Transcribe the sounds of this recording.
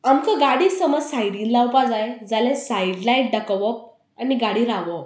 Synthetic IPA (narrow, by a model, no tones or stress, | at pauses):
amkəɡaɽiːsəməd͡zsajɽĩːnlawpad͡zajd͡zalesaiɽlaiʈ̚ɖakəʋəp̚ | aniɡaɽiɾaʋəp